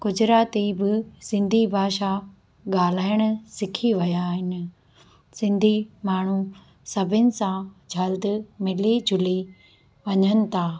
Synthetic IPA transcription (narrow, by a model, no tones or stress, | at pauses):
kʊd͡ʑʱɪɾaːt̪ibɪsɪ̃nd̪ʱibʱaːʃa | ɠaːl̤aːɪɽ̃ʊ̆sɪkʰiʋɐjaːɦɪnɪ̆ | sɪ̃nd̪ʱimaːɳ̤u | sɐbʱɪnɪ̆sãd͡ʑʱɐld̪̆mɪlid͡ʑʱʊli | ʋɐɲənɪ̆t̪ʰaː